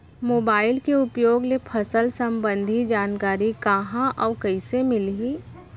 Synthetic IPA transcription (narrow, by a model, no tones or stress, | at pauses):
moːbaːɪlkeʊpjoːɡlepʰəsəlsə̃mbə̃nd̪ʱid͡ʒaːnkaːɾikaɦãʔɔːkɐɪsemɪli